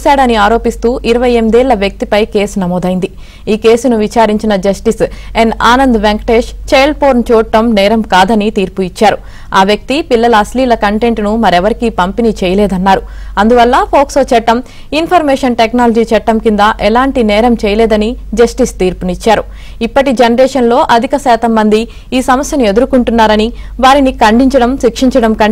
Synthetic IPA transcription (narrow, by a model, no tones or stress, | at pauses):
saːɽɐniaːɾo̞ːpist̪uːʔiɾɐʋɐjemid̪ɛːlɭːɐʋjɐk̚t̪ipɐjke̞ːsnɐmoːd̪ɐjind̪i | iːkeːsunuʋit͡ʃaːɾiɲt͡ʃinɐd͡ʒɐsʈisenaːnɐnd̪ʋeŋkʈeːʂt͡ʃejlpoːɾnt͡ʃɔːʈːɐmnɛːɾɐmkaːd̪ɐnit̪iːɾpuit͡ʃːaːɾu | aːʋjɐk̚t̪ipilːɐlɐːsliːlɐkɐɳʈe̞ɳʈnumɐɾɛʋɐɾikipɐmpinit͡ʃɛːjɐlɛːd̪ɐnːaːɾuɐnd̪uʋɐlːɐpʰoːksoːt͡ʃɛʈːɐm | inpʰɐɾmɛːʂɐnʈeknaːlɐd͡ʒiːt͡ʃɛʈːɐmkind̪ɐʔɛlaːɳʈinɛːɾɐmt͡ʃɛjɐlɛːd̪ɐnid͡ʒɐsʈist̪iːɾpunit͡ʃːaːɾu | ipːɐʈid͡ʒenɐɾɛːʂɐnlo̞ːʔɐd̪ʱikɐʃɛːt̪ɐmːɐnd̪i | iːsɐmɐsjɐnue̞d̪uɾukuɳʈunːaːɾɐniʋaːɾinikɐɳɖiɲt͡ʃɐɽɐmʃikʂiɲt͡ʃɐɽɐmkɐɳ